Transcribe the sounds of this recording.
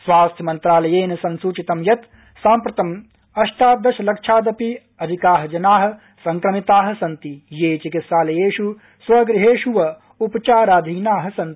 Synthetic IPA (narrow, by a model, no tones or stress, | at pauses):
sʋaːst̪ʰjɐmɐnt̪ɾaːlɐjeːnɐsɐnsuːt͡ʃit̪ɐmjɐt̪ | saːmpɾɐt̪ɐm | ɐʃt̪aːt̪̚d̪ɐʃɐlɐkʃʰaːd̪ɐpi | ɐd̪ʱikaːɦɐd͡ʒɐnaːɦɐ̆ | sɐŋkɾɐmit̪aːɦɐ̆sɐnt̪ijeːt͡ʃikit̪saːlɐjeːʃu | sʋɐɡɾiɦeːʃuʋɐ | upɐt͡ʃaːɾaːd̪ʱiːnaːɦɐ̆sɐnt̪ii̥